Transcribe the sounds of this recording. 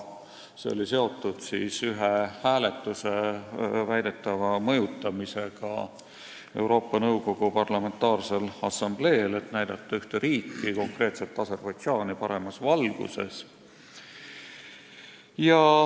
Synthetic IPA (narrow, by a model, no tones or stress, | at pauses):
sḛo̰lise̞o̞t̪ːˑud̪̥sḭːsyɦehæːle̞t̪ːˑusevæjd̪̥e̞t̪ːˑɑvɑmɤ̞jut̪ˑːɑmise̞ɡ̥ɑ̰ | e̞̰wɾo̞ːpːˑɑnɤwko̞ɡ̥upɑrlɑme̞nt̪ːˑɑːrse̞lɑsɑmb̥le̞ːlet̪næjd̪̥ɑt̪ːɑyht̪eɾiːkˑːiko̞ŋkre̞ːt̪set̪ːɑse̞rb̥ɑjʒɑːnipɑɾe̞mɑsvɑlɡ̥ṵse̞̰s | jɑ